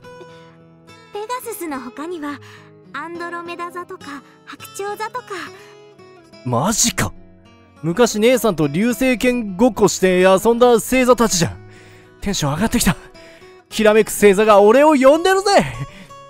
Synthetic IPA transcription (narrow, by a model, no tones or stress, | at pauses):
pe̞d̪asɨsɨno̞ɦo̞kaɲ̟iβa | ãnd̪o̞ɾo̞me̞d̪azat̪o̞ka | hakɯ̟̥t͡ɕo̞ːzat̪o̞ka | maʑika | mɯ̟kaɕine̞ːsãnt̪o̞ɾʲɨːse̞ːkẽ̞ŋɡo̞ko̞ɕi̥t̪e̞asõnd̪ase̞ːzat̪at͡ɕiʑã | t̪ẽ̞ɰ̃ɕoaɡat̪ːekʲi̥t̪a | kʲiɾame̞kɯ̟̥se̞ːzaɡao̞ɾe̞o̞jõ̞nd̪e̞ɾɯ̟ze̞